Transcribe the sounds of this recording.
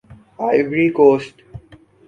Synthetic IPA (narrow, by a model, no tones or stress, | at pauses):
aɪʋɾikoːsʈ